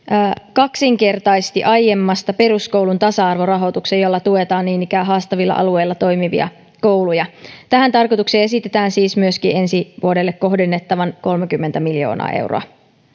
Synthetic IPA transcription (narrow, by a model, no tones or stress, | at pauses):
kɑksiŋke̞rt̪ɑjst̪ḭʔɑje̞mːɑst̪ɑpe̞ɾusko̞wlunt̪ɑsɑɑrʋo̞rɑɦo̞t̪uksejolːɑt̪ue̞t̪ɑːnniːnikæːɦɑːst̪ɑʋilːɑ̰ʔɑ̰lue̞jlːɑt̪o̞jmiʋḭɑ̰ | ko̞wlujɑt̪æɦænt̪ɑrko̞jt̪ukseːe̞sit̪e̞t̪æːnsiːsmyøsk̟ie̞nsiʋuode̞lːekːo̞ɦdenːet̪ːɑʋɑnko̞lmekymːent̪æmiljo̞̰ːnɑ̰ːʔe̞̰wro̰ɑ̰